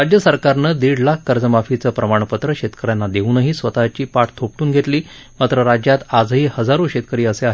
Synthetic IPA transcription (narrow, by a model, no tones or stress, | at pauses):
ɾad͡ʑjəsəɾkaɾnəd̪iɽlakʰːəɾd͡zəmafit͡səːpɾəmaɳ̃pət̪ɾəɕet̪kəɾjanːad̪euːnəɦiːsʋət̪at͡ɕiːpaʈʰt̪ʰop̚ʈuːnɡʱet̪liː | mat̪ɾəɾad͡ʑjat̪ad͡zɦiːhəd͡zaɾũɕet̪̚kəɾiːəseaɦe